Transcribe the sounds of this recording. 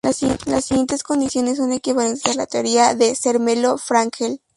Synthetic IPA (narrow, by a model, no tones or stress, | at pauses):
lasːiɣjent̪e̞sko̞nd̪isjo̞nes̬ːo̞ne̞kiβalent̪eala̰t̪eoɾiaðe̞seɾmelofɾaŋkel